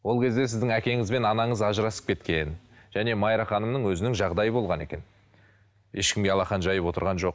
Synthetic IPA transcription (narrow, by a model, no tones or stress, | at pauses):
wo̞lˠkʲʰe̞zd̪e̞s̬ɪzd̪ɪŋækʲe̞ŋɪzbe̞nɑnɑɴəzɑʒəɾɑsə̥p̚kʲʰe̞t̪kʲe̞n | ʒ̥æne̞mɑjɾɑχɑnəmnəɴwɵzɪnɪŋʒɑʁd̪ɑjəbo̞lˠʁɑne̞̰kʲe̞n | je̞ʃkʲɪmɡʲeɑlˠɑχɑnʒɑjəpwo̞t̪əɾʁɑnʒo̞q